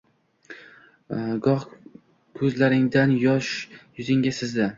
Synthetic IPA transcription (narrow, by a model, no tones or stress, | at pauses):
ɡɒχ | kʰɵzlaɾɪŋd̪anjɒʃjʊzɪŋɡʲasɪzd̪ɪ